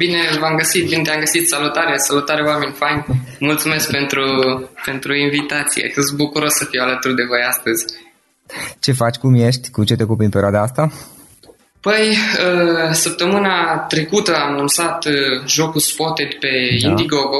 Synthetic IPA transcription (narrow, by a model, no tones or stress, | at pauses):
bine̞vamɡəsit̪̚binet̪eamɡəsit̪salut̪aɾesalut̪aɾeowame̞nʲfanʲmult̪sume̞sk̚pe̞nt̪ɾupe̞nt̪ɾuinvit̪at̪sijḛfost̪̚bukuɾo̞sːəfiwalət̪urd̪e̞vo̞jast̪əzʲ | t͡ʃe̞fat͡ʃʲkumje̞ʃt̪ʲkut͡ʃet̪eokupɾinpeɾioad̪aast̪a | pəjəsəp̚t̪əmɨnat̪ɾe̞kut̪əamnumt̪sat̪ʒo̞kuspot̪et̪ʲpe̞ind̪iɡoɡ